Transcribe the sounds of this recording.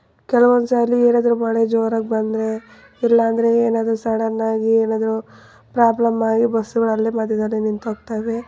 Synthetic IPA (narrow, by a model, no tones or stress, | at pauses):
kɛlɐʋond̪usaːjlːieːnaːd̪ɾumɐɭed͡ʒoːɾɐɡ̚bɐnd̪ɾe̞ | ilːɐːnd̪ɐɾe̞eːnaːd̪ɐɾusɐɽɐnːaːɡieːnaːd̪ɐɾu | pɾaːblɐmaːɡibɐsːuɡɐɭɐlːimɐd̪ʱjɐd̪ɐlːinint̪ɦoːɡt̪aːjʋe